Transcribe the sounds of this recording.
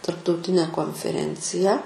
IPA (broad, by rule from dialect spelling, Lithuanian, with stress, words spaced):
tɐrptɐʊˈtʲɪnʲɛ koːnʲfʲɛˈrʲɛnʲt͡sʲɪjæː